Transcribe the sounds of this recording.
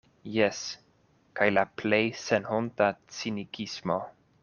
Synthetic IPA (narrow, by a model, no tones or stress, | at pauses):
jes | kajlaplejsenhontat͡sinikʰismo